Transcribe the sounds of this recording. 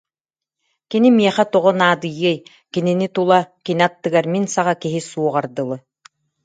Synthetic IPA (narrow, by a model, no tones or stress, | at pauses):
kinimiɛχɛt̪ɔʁɔnaːd̪ɯjɯj | kininit̪ulˠakiniat̪ːɯɡaɾminsaʁakiɦisuɔʁaɾd̪ɯlˠɯ